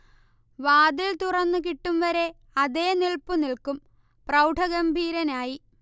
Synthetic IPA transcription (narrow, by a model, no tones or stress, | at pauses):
ʋaːd̪ilt̪urɐnːɨk̬iʈːumʋɐɾe̞ | ɐðe̞ːniɭpuniɭkum | prɐwʈʰɐɣɐmbʱiːɾɐnaːji